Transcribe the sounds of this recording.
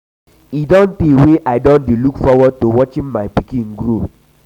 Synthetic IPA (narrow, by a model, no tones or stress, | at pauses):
idɔ̃ntdeweʔaɪdɔ̃ndelukfɔwɔd̚towɔt͡ʃĩmaɪpikĩnɡɾo